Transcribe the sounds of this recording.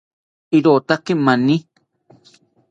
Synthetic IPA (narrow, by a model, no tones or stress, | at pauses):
iɾot̪akemanĩ